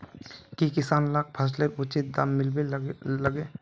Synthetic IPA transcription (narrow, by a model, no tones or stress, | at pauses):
kikɪsaːnlaːk̚pʰaːsleɾʊt͡ʃɪt̪̚d̪amːɪlbeləɡeː